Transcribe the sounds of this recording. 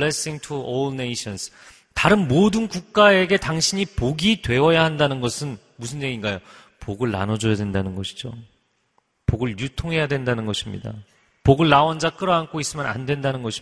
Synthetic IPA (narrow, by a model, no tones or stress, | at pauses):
lesiŋtʰuolneiɕʰʌns | taɾɯnmodɯnkuk̚k͈ae̞ɡe̞taŋɕʰiɲipoɡidwe̞wʌjahandanɯnɡʌsʰɯn | musʰɯnɲeɡinɡajo | poɡɯɭːa̰nʌd͡ʑʌjadwe̞ndanɯnɡʌɕʰi̥d͡ʑo̰ | poɡɯɭjutʰoŋɦe̞jadwe̞ndanɯnɡʌɕʰimɲḭda̰ | poɡɯɭːawʌnd͡ʑak͈ɯɾʌɦank͈ʰois͈ɯmjana̰ndwe̞ndanɯnɡʌɕʰi